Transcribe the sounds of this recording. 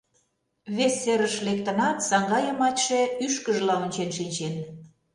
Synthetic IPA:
βesːeɾəʃlekt̪ə̆nɑt̪sɑŋɡɑjəmɑtʲʃeyʃkəʒəlɑonʲt͡ɕenʃinʲt͡ɕen

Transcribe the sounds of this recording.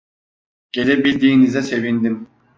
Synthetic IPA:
ɟ̥elɛbilʲd̪iːnizɛse̞vind̪im

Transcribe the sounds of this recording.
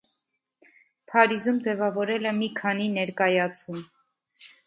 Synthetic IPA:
pʰɑɾizumd͡zɛvɑvɔɾɛlɛmikʰɑninɛɾkɑjɑt͡sʰum

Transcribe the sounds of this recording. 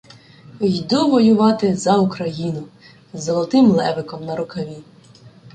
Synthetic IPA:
jd̪uʋɔjʊʋɑt̪ɪzɐʊkɾɐjinʊ | zɔlˠɔt̪ɪmlˠɛʋɪkɔmnɐɾʊkɐʋʲi

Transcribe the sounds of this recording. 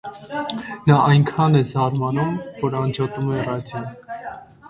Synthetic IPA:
nɑʔɑjŋkʰɑnɛzɑɾmɑnumvɔɾɑnd͡ʒɔt̪umɛrɑdjɔn

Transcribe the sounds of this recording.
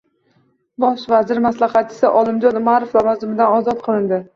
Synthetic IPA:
bɒʃvazɪɾmaslˠɑχɑt̚t͡ʃʰɪ̥sɪʔɒlˠɪmd͡ʒɒnʊmaɾoflavɒzɪmɪd̪anɒzɒt̪̚qʰɨlˠɪnd̪ɪ

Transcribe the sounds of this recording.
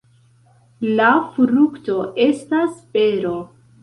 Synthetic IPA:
lafɾukto̞ʔe̞staspe̞ɾo̞

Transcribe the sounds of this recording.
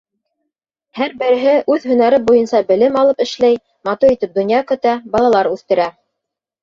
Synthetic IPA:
hæɾbɘ̆ɾɘ̆ɦɘʔʉðhɵ̆næɾɘbujɤnsɑbɘ̆lɘmɑlˠɤpɘ̆ʃlæj | mɑt̪uɾit̪ɘp̚d̪ŏnjɑkɵ̆t̪æbɑlˠɑlˠɑɾʉθt̪ɘ̆ɾæ

